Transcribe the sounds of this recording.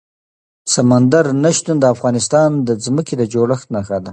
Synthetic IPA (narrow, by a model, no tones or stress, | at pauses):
samand̪aɾnaʃt̪und̪əafɣɑnɪst̪ɑnd̪əzməked̪əd͡ʒoɽəxt̪naxad̪a